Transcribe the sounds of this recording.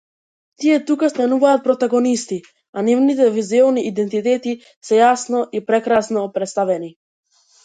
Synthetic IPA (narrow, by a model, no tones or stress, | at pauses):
t̪iɛt̪ukast̪anuvaːt̪̚pɾɔt̪aɡɔnist̪i | anivnit̪̬ɛvizɛɔniʔid̪ɛnt̪it̪ɛt̪i | sɛjasnɔʔipɾɛkɾasnɔpɾɛt̪st̪avɛni